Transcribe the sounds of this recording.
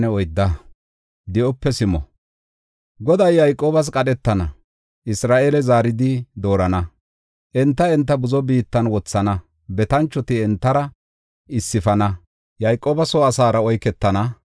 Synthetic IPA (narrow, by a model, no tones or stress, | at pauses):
nɛɔjd̪ːɐ | d̪ɪʔɔpːɛsɪmɔ̰ | ɡɔd̪ɐjːɐjkʼːoːbɐs̬kʼɐɗɛt̪ːɐnɐ | ʔɪsɾaːʔeːlɛzaːɾɪd̪ɪd̪o̞ːɾɐnɐ | ʔɛnt̪ːɐɛnt̪ːɐbʊzɔbiːt̪ːɐnwɔt͡sːɐnɐ | bɛt̪ɐnt͡ʃːɔt̪ɪɛnt̪ːɐɾɐ | ɪsːɪfɐnɐ | jɐjkʼːoːbɐsoɐsaːɾɐɔjkɛt̪ːɐnɐ